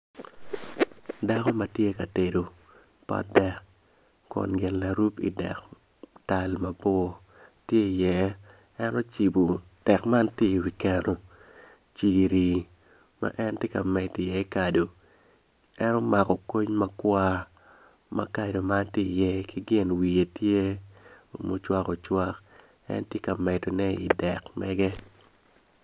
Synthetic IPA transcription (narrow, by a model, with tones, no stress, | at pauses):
da˦kɔ˦ma˦tje˦ka˨te˨do˨ | pa̰dɛ˦k | kɔ̰˨nɡɪ˨nla˨ɾu˦pḭ˨dɛ̰˨k | ta˨lma˨bɔ˦˨ | tje˦i˨jɛ˨ | ɛ˦nɔ˦t͡ʃi˨bu˨ | d̥ɛ˨kma˦ntje˦i˨wi˨kɛ˨no˨ | t͡ʃi˨ɾi˨ | ma̰˦ʔɛ˦ntje˦ka˨mɛ˨ti˨jɛ˦i˦ka˨do˨ | ɛ˦no˦ma˨kɔ˨ko˦ɲma˦kwa˦ | ma̰˦ka˨do˨ma˦ntje˦˨jɛ˦ki˦ɡɪ˦˨nwi˨e˨tje˦o˨mo˨t͡ʃwa˦ko˨t͡ʃwa˦k | ɛ̰˦ntje˦ka˨mɛ˨to˨nɛ˦ḭ˨dɛ˨kmɛ˦ɡɛ˦